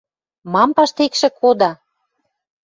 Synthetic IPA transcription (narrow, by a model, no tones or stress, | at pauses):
mɑmpɑʃt̪ekʃĕkʰod̪ɑ